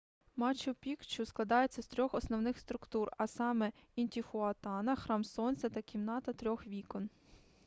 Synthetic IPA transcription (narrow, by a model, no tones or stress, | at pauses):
mɑt͡ʃʊpʲikt͡ʃʊsklˠɐd̪ɑjet͡sʲːɐst̪ɾʲɔxɔsnɔwnɪxst̪ɾʊkt̪urɐsɑmɛinʲt̪ʲixʊɐt̪ɑnɐxɾɑmsɔnʲsʲɛt̪ɐkʲimnɑt̪ɐt̪ɾʲɔxʋʲikɔn